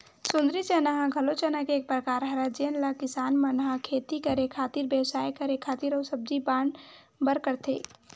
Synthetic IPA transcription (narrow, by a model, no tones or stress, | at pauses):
sund̪ɾit͡ʃənaɦãɡʱəlot͡ʃənakeːk̚pɾəkaɾɦəɾad͡ʒenlakisaːnmənɦãkʰet̪ikəɾekʰat̪iɾbesajkəɾekʰat̪iɾəwsəb̚d͡ʒiban | bəɾkəɾt̪ʰe